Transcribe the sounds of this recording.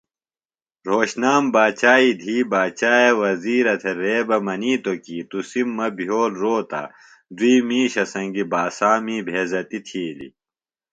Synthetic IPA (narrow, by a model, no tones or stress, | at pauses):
ɾoːɕnaːmbaːt͡ɕaːid̪ʱiːbaːt͡ɕaːjewɐziːɾɐt̪ʰeɾeːbɐmɐniːt̪okiːt̪usimːɐbʱjoːlɾoːt̪a̰ | d̪wiːmiːɕɐsɐŋɡibaːsaːmiːbʱeːzɐt̪it̪ʰiːlḭ